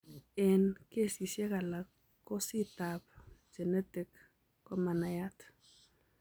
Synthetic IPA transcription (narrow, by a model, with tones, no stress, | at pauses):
ɛ˨nke˦˨si˨sje˦ka˨lakː | ɔ˦si˦tapd͡ʒe˨nɛ˦tɪ˦k | kɔ˦ma˨na˨jat